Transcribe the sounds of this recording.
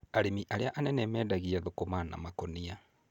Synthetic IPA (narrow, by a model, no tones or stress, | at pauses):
aɾemiʔaɾeaʔanɛnɛmɛːdaɣiaðokomana̰makɔnia